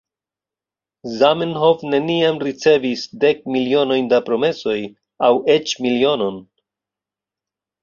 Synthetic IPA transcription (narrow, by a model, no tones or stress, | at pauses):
zamenɦo̞vne̞niamɾit͡se̞visde̞k̚milio̞no̞jndapɾo̞me̞so̞j | awe̞t͡ʃmilio̞no̞n